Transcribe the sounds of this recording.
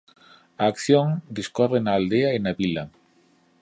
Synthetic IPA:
aːkθjoŋd̪iskɔrenaːld̪eaenaβilɐ

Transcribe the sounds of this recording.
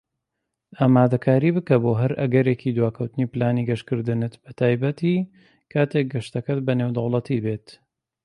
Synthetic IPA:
aːmaːd̪ɐkʰaːɾiːbɨkɐboːɦɐɾɐ̰ɡɐɾeːkid̪waːkʰɐwt̪ɨniplaːniɡɐʃkɨɾd̪ɨnɨt̪bɐt̪ʰaːjbɐt̪iː | kʰaːt̪ʰek̚ɡɐʃt̪ɐkɐt̪bɐnewd̪ɐwlˠɐt̪ʰibet̪

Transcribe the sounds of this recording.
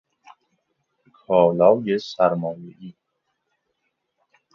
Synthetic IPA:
kʰɒːlɒːwjesæɾmɒːjeʔiː

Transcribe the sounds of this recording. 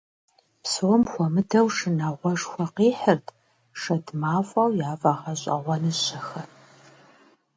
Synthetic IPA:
psuwmxʷɔmɨdɐwʂɨnaːʁʷɔʂxʷɐqiːħərtʰ | ʂɐdmaːfʷʼɐwjaːvʼaːʁɐɕʼɐ̰ʁʷɐnɨɕʼɐxɐ

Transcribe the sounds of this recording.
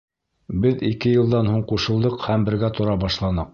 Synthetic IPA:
bɘðikɘjɤ̆lˠd̪ɑnhuɴquʃɤ̆lˠd̪ɤqhæmbɘ̆ɾɡæt̪ŏɾɑbɑʃlˠɑnɤq̚

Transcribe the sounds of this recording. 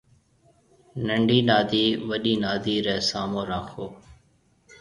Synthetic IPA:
nəɳɖiːnaːd̪iːʋəɗiːnaːd̪iːɾɛːsaːmõːɾaːkʰoː

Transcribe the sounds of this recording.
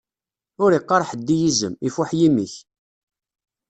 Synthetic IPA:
ʊɾiqːɑɾˤħəd̪ːijizə̰mifuħjimiç

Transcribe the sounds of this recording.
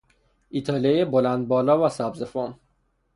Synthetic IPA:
ʔit̪ʰɑlejebolænd̪̚bɒːlɒːvæsæbzefɔn

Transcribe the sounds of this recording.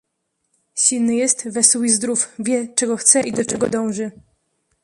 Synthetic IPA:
ɕilnɘjɛst̪vɛswizd̪ɾufvʲjɛt͡ʂɛɡɔxt̪sɛʔid̪ɔt͡ʂɛɡɔ̰d̪ɔ̃w̃ʐɘ

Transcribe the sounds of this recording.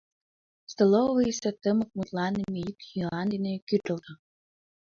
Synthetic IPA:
st̪oloviset̪əmək̚mut̪lɑnːemejik̪xilˠɑnd̪inekyt̪ə̆lt̪ə

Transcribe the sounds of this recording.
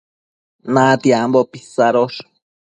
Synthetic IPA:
nat̪iambopisaɾoʃ

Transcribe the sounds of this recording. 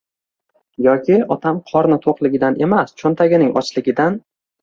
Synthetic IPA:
jɒkʲɪɒt̪ʰamqʰɒɾnɪt̪ʰoqlˠɪɡʲɪd̪ane̞mast͡ʃʰɒnt̪ʰaɡʲɪnɪŋʔɒ̰t͡ʃʰlɪɡʲɪd̪an

